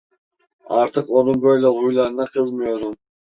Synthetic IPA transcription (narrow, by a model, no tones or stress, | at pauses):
ɑɾt̪ʰɯqonunbøjlʲoujlˠɑɾɯnɑqʰɯzmujoɾun